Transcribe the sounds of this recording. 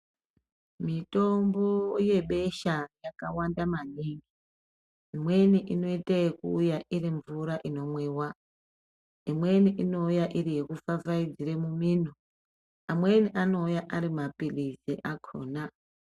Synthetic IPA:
mito̞mboje̞ɓe̞ʃajakawandamaniːŋɡi | imwe̞niʔino̞iteekuːjaʔiriɱvuɾaʔino̞mweːwa | imwe̞niʔino̞ujaʔiɾije̞kufavaid͡ziɾemumiːno | amweniʔano̞ujaʔaɾimapiliziʔakʰo̰ːna

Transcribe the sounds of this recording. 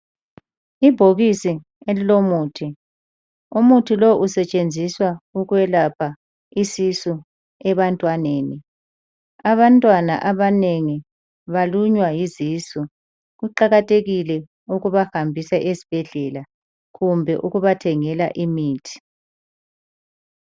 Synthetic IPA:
ibʱoɣisi | elilomuːtʰi | umutʰiloʔusɛt͡ʃʼend͡zʱiswauɣwɛlapʰa | isisɔ | ɛβantʼwaneːni | aβantʼwana̰ʔaβaneŋi | βaluɲwajiziːsɔ | ɣuǃaɣatʰʼeɣilɛ | uɣuβahambʱisaʔezib̥ʱɛɮɛla | ɣumbʱɛʔuɣuβatʰɛŋɛlaʔimiːtʰi̥

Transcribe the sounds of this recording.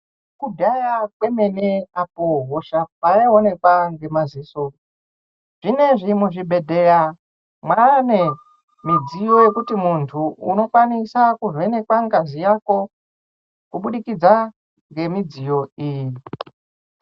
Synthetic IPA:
kubajak̚we̞me̞neapoɦoʃapaeone̞kwaŋɡe̞maziso | ʐ̥ine̞ʐimuʐibʱe̞dʱe̞ɺa | mwane̞ | mid͡zijo̞je̞kutimuntʰuuno̞kwanisakuzene̞kwaŋɡazijako̞ | kuɓuɗikid͡za | ŋɡe̞mid͡zijo̞iːji

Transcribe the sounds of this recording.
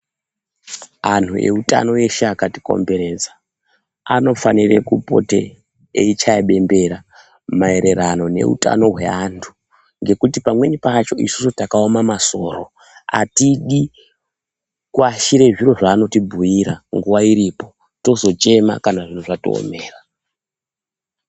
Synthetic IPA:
an̤ue̞̰uta̰no̞eʃaakatiko̞̰mbe̞ɾe̞ːd͡zḁ | ano̞fanirekupo̞̰tḛ | eit͡ʃaaɓe̞mbe̞ɾa | mae̞ɾe̞ɾano̞ne̞̰ṵta̰no̞ɦwe̞antʰu̥ | ŋɡe̞kutipamwe̞ɲipat͡ʃo̞ḭsu̥sotakaomamaso̞ːɾo̞ | a̰tiɗi | kwaʃiɾe̞ʐiɾoʐaːno̞tibʱujiɾaŋɡuʋaiɾipo̞ | to̞zo̞t͡ʃe̞ma̰kanaʐin̤uʐato̰o̰me̞ːra

